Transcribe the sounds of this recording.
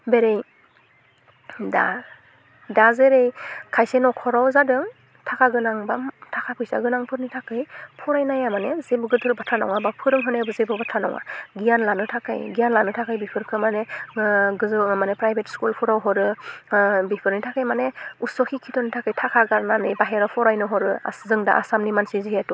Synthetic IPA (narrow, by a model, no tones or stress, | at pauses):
beɾej | da | dazeɾejkʰajsenɔkʰɔɾawzadɯŋ | tʰakʰaɡɯnaŋbamtʰakʰapʰɯjsa̰ɡɯnaŋpʰɯɾnitʰakɯjpʰɔɾajnajamanezebɯɡɯtʰɯɾbatʰanɔ̰wŋabapʰɯɾɯŋɦɯnebɯzebɯbatʰanɔ̰wŋa̰ɡijanlanɯtʰaka̰jɡijanlanɯtʰakʰajbipʰɯɾkʰɯmane | ɡɯzmanepɾajbetskulpʰɔɾawɦɔɾɯ | bipʰɯɾnitʰakajmaneusɔkʰikʰitʰɔnitʰakɯjtʰakʰaɡaɾnanɯjbaɦeɾawpʰɔɾajnɔɦɔɾɯa̰zɯŋda̰ʔa̰samnimansiziɦetu